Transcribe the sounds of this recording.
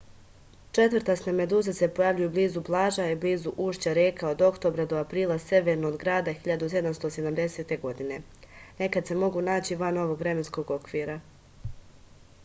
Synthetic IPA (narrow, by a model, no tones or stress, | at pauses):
t͡ʃe̞t̪ʋɾt̪asname̞d̪uːzasepo̞jaʋʎujubliːzuplˠaːʒaibliːzuʔuːʃt͡ɕaɾekao̞d̪o̞kt̪o̞bɾad̪o̞apɾiːlˠase̞ʋe̞ɾnoːd̪ɡɾaːd̪axiʎad̪use̞d̪amst̪o̞sed̪amd̪e̞se̞ːt̪e̞ɡo̞d̪ine̞ | ne̞kad̪se̞mo̞ɡunaːt͡ɕiʋano̞ʋo̞ɡʋɾe̞me̞nsko̞ɡo̞kʋiːɾa